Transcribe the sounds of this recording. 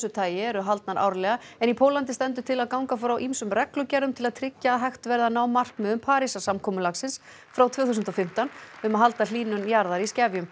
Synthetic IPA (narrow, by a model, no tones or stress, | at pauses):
sʏt̪ʰaːjɪɛɾʏɦalt̪naɾʔa̰wɾlɛɣaɛnipʰoːwlant̪ɪst̪ɛnt̪̬ʏt̪ʰɪlaðkawŋkafɾawʔimsʏmrɛklʏcɛɾʏmt̪ʰɪlaðt̪ʰɾɪcːaːðɦajxt̪vɛɾðanaːwmar̥kmɛðʏmpʰaːɾisasamkʰɔːmʏlaksɪns | fɾawt̪ʰv̥ɛːθus̬ʏnt̪ɔfɪm̥t̪anʏmaðɦalt̪al̥iːnʏnjaɾðaɾiscɛːvjʏm